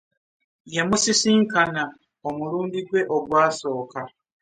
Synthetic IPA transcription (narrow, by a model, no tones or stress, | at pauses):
jemusisiŋkana | omuɾuːndiɡwe̞ʔoɡwaːso̞ːka